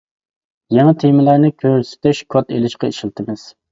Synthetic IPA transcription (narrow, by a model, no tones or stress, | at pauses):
jɛŋɑt̪ʰemɪlˠæɾnɨkʲʰøɾsɪ̥t̪ʰɛʃkʰot̪ʰelɪʃqɑiʃilˠt̪ʰɪmɪz̥